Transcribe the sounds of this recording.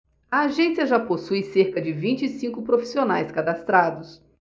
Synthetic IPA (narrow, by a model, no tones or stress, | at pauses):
ɐːʒẽsijɐʒaposujseɾkɐd͡ʒɪvĩt͡ʃɪːsĩŋkʊpɾofi̥sionajskad̪ast̪ɾad̪ʊs